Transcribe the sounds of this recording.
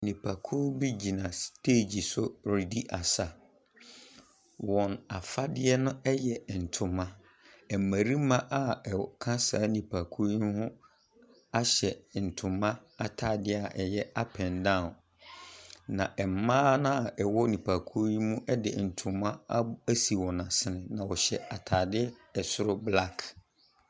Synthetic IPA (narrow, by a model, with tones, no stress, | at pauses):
nĩ˨pʰa˨kʰʊ˦bi˦d͡ʑi˨nã˨stʰeː˦˨d͡ʑi˨sʊ˦ɾi˨di˦ʔa˨sa˨ | wɔ̃˨na˨fa˦dɪ˦ɛ˦nʊ̃˦ɛ˦jɛ˨n̩˨tʰʊ̃˨mã˦ | ɛ˨mã˨ɾi˦mã˦ʔa˦ɛ˨kʰã˦saː˨˦nĩ˨pʰa˨kʰu˦i˦hʊ̃˦ | a˦ɕɛ˨n̩˨tʰʊ̃˨mã˦a˨tʰa˨dɪ˦a˨ʔɛ˨jɛ˦a˦pʰɛ̃˨ndã˦˨n | nã˨ʔɛ˨m̩˨mãː˦nʊ̃˦˨ɛ˨wɔ˦nĩ˨pʰa˨kʰu˦i˦mũ˦ʔɛ˦dɪ̰˨n̩˨tʰʊ̃˨mːã˦a˦æ˦si˨wɔ̃˨na˨sɪ˦nɪ̃˨nã˨wɔ˨ɕɛ˨a˨tʰaː˨dɪ˦ɛ˨sʊ˦ɾʊ˦bla˦kʰ